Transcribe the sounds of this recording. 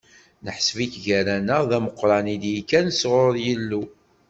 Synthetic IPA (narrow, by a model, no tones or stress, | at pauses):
nəħsviçʝæɾænəʁðæməqːɾˤɑnid̪jikːænəsʁoɾˤjəlːu